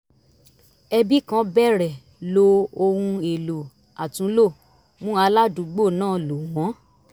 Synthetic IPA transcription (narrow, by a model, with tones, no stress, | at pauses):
ɛ˧bi˦kã˦bɛ˦˨ɾɛ˨ | lo˦o˧hũ˧e˨lo˨ | a˨tũ˨˦lo˦˨ | mũ˦a˧˦la˦dũ˨˦ɡ͡bo˦˨nãː˦˨lo˨w̃ɔ̃˨˦